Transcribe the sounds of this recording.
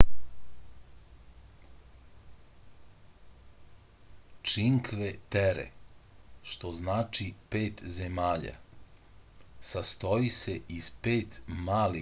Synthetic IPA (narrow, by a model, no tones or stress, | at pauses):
t͡ʃiŋkʋet̪eɾḛ | ʃt̪o̞znaːt͡ʃipeːt̪zemaːʎa̰ | sast̪oise̞ispeːt̪maːli